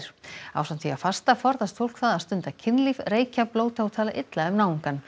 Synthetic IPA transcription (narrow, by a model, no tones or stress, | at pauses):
ɾ̥a̰wsant̪ʰiafast̪afɔɾðast̪fowl̥kθaðaðst̪ʏnt̪acʰɪnlivreːjcaploːwt̪ʰawt̪ʰaːlaʔɪt̪laʏmnaːwiŋkan